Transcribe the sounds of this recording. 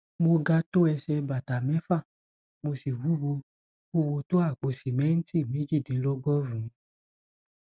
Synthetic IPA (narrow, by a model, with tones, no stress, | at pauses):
mo˧ɡa˧to˦ɛ˧sɛ˧ba˨ta˨mɛ̃˨˦fa˦˨ | mo˧si˨wu˨˦wo˧ | u˦wo˧to˦a˦˨k͡po˨si˨mɛ̃˨˦n̩˦ti˦˨me˨˦d͡ʒi˦˨de˨˦lɔ˦ɡɔ˦ɾũ˨˦